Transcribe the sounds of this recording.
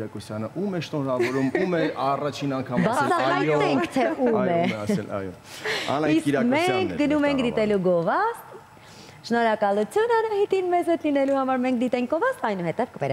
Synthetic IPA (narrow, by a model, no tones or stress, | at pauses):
ɾɑkusjɑnəʔumɛʃnɔɾɑvɔɾumumɛɑrɑt͡ʃʰinɑŋkʰɑmbɑt͡sʰɑɦɑjt̪ɛŋkkʰt̪ʰɛʔumɛɛɑ̰jɔ̰ | ɑ̰niskiɾmɛŋkʰɡənumɛŋkʰd̪it̪ɛluɡɔvɑst̪ | ʃnɔɾɑkɑlut͡sʰjunɑnɑhit̪inmɛzhɛt̪linɛluhɑmɑɾmɛŋkʰd̪it̪ɛŋk̚ɡɔvɑst̪ɑjnuɦɛt̪ɛvkəvɛɾ